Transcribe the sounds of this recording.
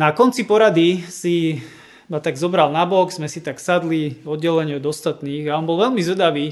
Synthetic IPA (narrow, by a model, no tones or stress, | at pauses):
nakɔnt͡sipɔɾad̪isi | mat̪aɡzɔbɾalnabɔɡzmɛsit̪aksad̪liɔd̪ɟɛlɛɲɪɔd̪ɔst̪at̪niːɣaɔnbɔlʋɛlmizʋɛd̪aʋiː